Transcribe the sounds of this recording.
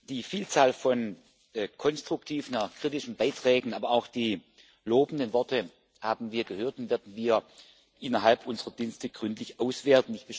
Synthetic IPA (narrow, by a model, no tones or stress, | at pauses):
d̥iːfiːlt͡saːlfɔn | kʰɔnstʁ̥ʊk̚tʰiːvnaxkʁ̥itɪʃn̩baɪtʁ̥ɛːɡŋ̩aːbɐaʊxd̥iː | loːbn̩dənvɔtə | haːbn̩viːɐɡəhøːɐtʊnvɛːɐdn̩viːɐ | ʔɪnɐɦalpʔʊnzəʁɐdiːnstəɡ̥ʁʏntlɪçʔaʊsv̥eːɐtn̩ɪçtb̥əʃ